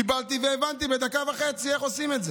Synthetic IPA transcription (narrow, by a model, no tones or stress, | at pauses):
ibalt̪iveːvant̪ibed̪akavaχe̞t͡sieχo̞simet̪ze